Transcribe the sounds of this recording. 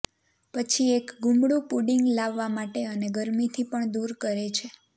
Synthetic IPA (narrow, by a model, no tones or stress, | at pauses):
pət͡ʃʰiekɡumɽũpuɖiŋɡlaʋːamaʈeəneɡəɾmit̪ʰipəɳd̪uɾkəɾet͡ʃʰe